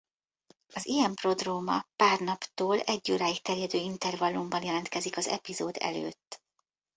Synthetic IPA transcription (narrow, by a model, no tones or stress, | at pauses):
ɒzijɛmpro̞d̪roːmɒpaːrnɒpt̪oːlɛɟːoːɾaːjikt̪ɛrjɛd̪øːint̪ɛrvɒlːumbɒnjɛlɛnt̪kɛzikɒzɛ̰pizoːd̪ɛ̰lø̰ːt̪ː